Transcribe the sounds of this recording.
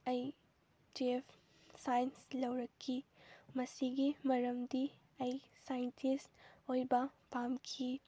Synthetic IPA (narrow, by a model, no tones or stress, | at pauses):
ɐj | d͡ʒiepʰ | sajnslɐwɾɐkʰːimɐsiɡimɐɾɐmdi | ɐjsajntʰistojbɐpʰamkʰi